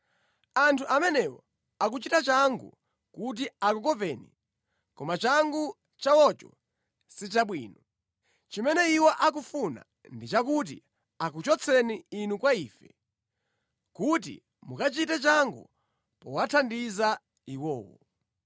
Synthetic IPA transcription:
antʰuʔamɛnɛwɔ̰ | ak̬ut͡ʃitat͡ʃaŋɡṵ | kut̬iakukɔpɛːni | kɔmat͡ʃaŋɡu | t͡ʃawɔt͡ʃɔ̰ | sit͡ʃaɓwiːnɔ | t͡ʃimɛnɛiwɔʔak̬ufuna̰ | ndit͡ʃak̬ut̬ḭ | ak̬ut͡ʃɔt͡sʰɛniːnukwaiːfɛ | kut̬ḭ | mukat͡ʃitɛt͡ʃaŋɡṵ | pɔ̰watʰandiza | iwɔːwɔ̰

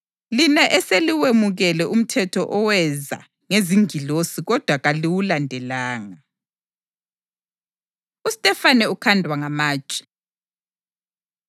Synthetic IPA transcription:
linɛʔɛseliwemuɣɛlɛʔum̩tʰɛtʰɔʔɔwɛza̰ | ŋeziŋʱilosiɣɔd̥ʱwaɣaliwulandʱɛlaːŋa | ustʼɛfanɛukʰandʱwaŋamaːt͡ʃʼɛ̥

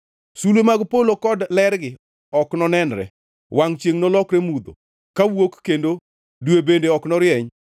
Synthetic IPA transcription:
sulwemaɡpolokɔdlɛɾɡɪ | ɔknɔnɛnɾɛ̰ | waŋt͡ʃjeŋnɔlɔkɾemud̪o̰ | kawokːendo | dwebendeɔknɔɾjɛɲ

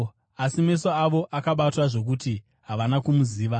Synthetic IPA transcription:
asime̞soaʋo̞ʔakaɓatwaʐo̞k̬uti | ɦaʋanakumuziːʋa

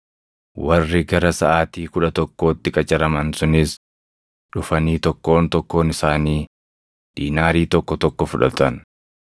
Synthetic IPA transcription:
wɐrːɪɡɐɾɐsɐʔaːt̪iːkʊᶑɐt̪ɔkːo̞ːt̪ːɪkʼɐt͡ʃʼɐɾɐmɐnsʊnɪs | ᶑʊfɐniːt̪ɔkːo̞ːnt̪ɔkːo̞ːnɪsaːniː | ᶑiːnaːɾiːt̪ɔkːɔt̪ɔkːɔfʊᶑɐ̰t̪ɐn

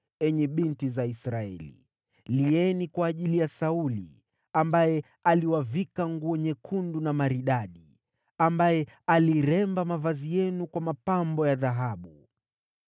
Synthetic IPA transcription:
ɛɲɛɓintizaisɾaɛ̰lḭ | liɛnikwaːʄilijasaulḭ | ambajɛ | aliwavikaŋɡuɔɲɛkʰundunamaɾiɗaɗi | ambajɛaliɾɛmbamavazijɛnukwamapambɔjaðaɦaɓu

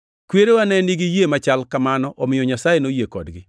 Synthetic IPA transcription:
kweɾeanɛniɡijemat͡ʃalkamanɔʔɔmɪjɔɲasajenojekɔdɡɪ

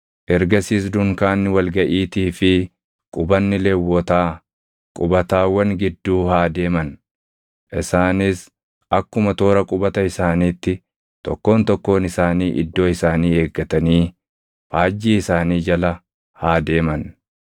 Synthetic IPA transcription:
ʔɛɾɡɐsiːs̬d̪ʊŋkaːnːɪwɐlɡɐʔiːt̪iːfɪ | kʼʊbɐnːɪlɛwːɔt̪aː | kʼʊbɐt̪aːwɐŋɡɪd̪ːuːhaːd̪e̞ːmɐn | ʔɪsaːnɪs | ɐkːʊmɐt̪o̞ːɾɐkʼʊbɐt̪ɐɪsaːniːt̪ːɪ | t̪ɔkːo̞ːnt̪ɔkːo̞ːnɪsaːniːʔɪ̰d̪ːo̞ːɪsaːniːe̞ːɡːɐt̪ɐniː | faːd͡ʒːiːɪsaːniːd͡ʒɐlɐ | haːd̪e̞ːmɐn

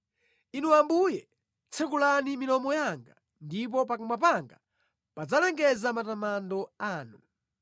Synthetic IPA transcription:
inuambujɛ | t͡sʰɛkulanimilɔmɔjaŋɡa | ndip̬ɔp̬akumap̬aŋɡa | pad͡zalɛŋɡɛzamatamandɔaːnu

